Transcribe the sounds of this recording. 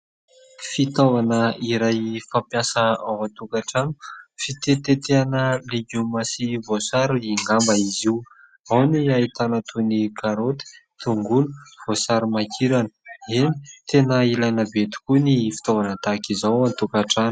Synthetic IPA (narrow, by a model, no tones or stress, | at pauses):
fit̪ovanəiɾajfampjasəawant̪ukaʈ͡ʂanu̥fit̪et̪et̪eanəleɡumasivosaɾuiŋɡambaiziw | awniait̪anət̪ʰunikaɾot̪i̥t̪uŋɡunuv̥osaɾumakʰiɾanə̥enit̪ʰenəilajnəbet̪i̥kunifi̥t̪ovanət̪akizawant̪ukaʈ͡ʂanu̥